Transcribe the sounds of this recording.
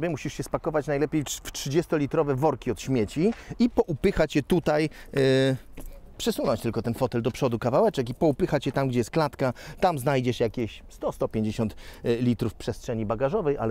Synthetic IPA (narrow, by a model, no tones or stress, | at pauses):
bʲjɛmuɕiʂɕɛspakɔvat͡ɕnajlɛpʲjejftʂɘd͡ʑɛst̪ɔlʲit̪ɾɔvɛvɔɾkʲiɔt̪ɕmʲjet͡ɕiipɔʔupɘxat͡ɕjɛt̪ut̪aj | pʂɛsunɔ̃nɲt͡ɕt̪ɘlkɔt̪ɛnfɔt̪ɛld̪ɔpʂɔd̪ukavawɛt͡ʂɛkipɔupɘxat͡ɕjɛt̪amɡd͡ʑɛjɛst̪klat̪kat̪amznajd͡ʑɛʂjakʲeɕst̪ɔst̪ɔpʲjẽɲd͡ʑeɕɔnt̪lʲit̪ɾufpʂɛstʂɛɲibaɡaʐɔvɛja̰l